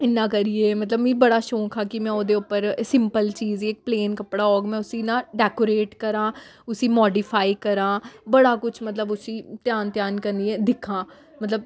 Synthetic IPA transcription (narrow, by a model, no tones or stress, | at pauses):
ɪnːãːkəɾiːeːmət̪ləbĩːbəɽaːʃoːkʰaːkɪmɛ̃ːoːd̪eːʊpːəɾsɪ̃mpəlt͡ʃiːziːɪk̚pleːnkəpɽaːɔːɡmɛ̃ːʊsiːnãːɖɛːkoːɾeːʈkəɾãːʊsĩːmɔːɖiːpʰaːikəɾãːbəɽaːkʊt͡ʃʰmət̪ləbʊsiːt̪ɪjaːnt̪jaːnkəɾniːeːd̪ɪkʰãː | mət̪ləb̚